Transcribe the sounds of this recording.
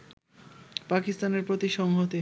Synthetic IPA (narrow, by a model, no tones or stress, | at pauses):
pakist̪aneɾpɾot̪iʃɔŋɦot̪e